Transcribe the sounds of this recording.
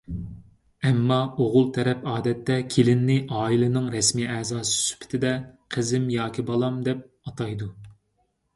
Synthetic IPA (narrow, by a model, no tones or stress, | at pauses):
ɛmːɑoʁʊlˠt̪ʰɛɾɛpɑːd̪ɛt̪ːɛkʲʰelɪnːɪʔɑːilˠɨnɨŋɾɛsmiːɛzɑːsɨ̥sy̥pʰɪ̥t̪ʰɪd̪ɛqʰəzɪmjɑːkʲibɑlˠɑmd̪ɛp̚ | ɑt̪ʰɑjd̪u